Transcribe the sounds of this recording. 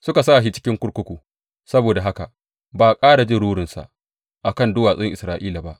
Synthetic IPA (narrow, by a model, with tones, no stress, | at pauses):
sʊ˦ka˨saː˦˨ʃi˦t͡ʃɪ̥˦kʲɪ˦ŋkʷʊ˦ɽkʷʊ˦kʷuː˨ | sɐ˦boː˨da˨ɦa˦ka˨ʔ | baː˨kʼaː˦ɽa˨d͡ʒɪ˦˨ɽuː˦ɽɪ˨nsa̰˨ʔ | ʔa˨kɐ˦˨ndʊ˦waː˨sʼŋʔɪ˨sɾaː˨ʔiː˦la˨ba˦ʔ